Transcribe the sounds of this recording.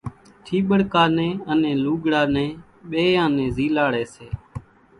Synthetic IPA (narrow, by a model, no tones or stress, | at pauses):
ʈ̪ʰiːɓəɽkaːnẽːənẽːluːɡɽaːnẽː | ɓeːjãːnẽːziːlaːɽeːseː